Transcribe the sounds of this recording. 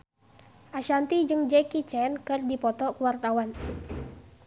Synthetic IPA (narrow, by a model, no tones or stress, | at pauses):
ʔaʃant̪id͡ʒɨŋd͡ʒɛkit͡ʃɛnkɨrdipɔt̪ɔkuwart̪awan